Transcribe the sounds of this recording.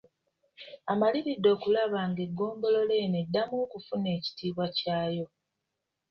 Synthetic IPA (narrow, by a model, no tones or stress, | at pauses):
amaliβidːo̞ːkulaβaːŋɡe̞ɡːo̞ːmbo̞lo̞le̞ːnedːamukufune̞ːci̥tiːβwacaːjo̞